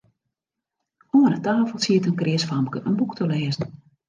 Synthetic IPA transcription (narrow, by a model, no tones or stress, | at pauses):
oːənətaːfəlˠsiətənkrɪəsfamkəʔənbuktəleːzən̩